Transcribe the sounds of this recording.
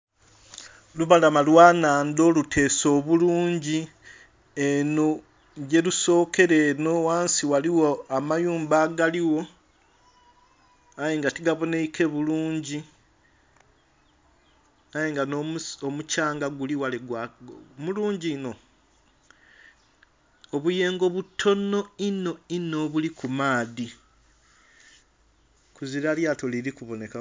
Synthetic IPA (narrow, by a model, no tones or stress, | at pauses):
luβalamalwaːnaːndo̞lutʰe̞ːso̞ːβuluːɲɟi | eno | ɟe̞luso̞ːke̞ɾe̞nowaːnsiwaliwoamajuːmbaɡaliwo̞ | ajeŋɡatiɡaβo̞neikʰe̞βuluːɲɟi | ajeŋɡanoomucaːŋɡaɡuliwaleɡwamuluːɲɟiːno̞ | oβuje̞ːŋɡo̞βutʰo̞no̞ino̞ino̞βulikumaːði | kuziɾaljaːtoliɾikuβo̞ne̞ka